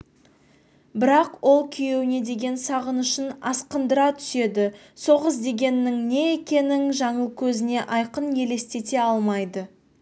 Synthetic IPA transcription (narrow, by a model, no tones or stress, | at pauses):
bɪɾɑqwo̞lˠkʲʰʏje̞wɪne̞d̪e̞ɡʲe̞nsɑʁənʏʃɪnɑ̰sqənd̪əɾɑt̪ʰʏ̥se̞d̪ɪ | so̞ʁəsd̪e̞ɡʲe̞nːɪŋne̞ekʲe̞nɪŋʒɑɴəlˠkʲʰɵzɪne̞ʔɑjqənje̞le̞st̪e̞t̪e̞ɑlˠmɑjd̪ə